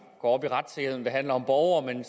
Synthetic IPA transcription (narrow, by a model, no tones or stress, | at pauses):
ɡ̥ɒ̰ːɒ̽b̥iʁɑd̥sʰee̝ðˠn̩d̥e̝ɦæn̰lɐɒ̽mb̥ɒʊɐːmen